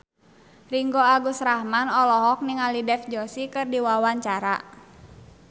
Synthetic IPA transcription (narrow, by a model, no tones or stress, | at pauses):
riŋɡɔaɡusɾahmanɔlɔɦɔk̚niŋalidɛfd͡ʒɔsikɨrdiwawaɲt͡ʃaɾa̰